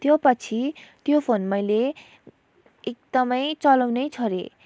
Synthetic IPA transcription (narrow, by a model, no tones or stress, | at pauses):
t̪jopʌt͡sʰit̪jopʰonmʌjle | ek̚d̪ʌmʌjt͡sʌlʌwnʌjt͡sʰʌɾḛ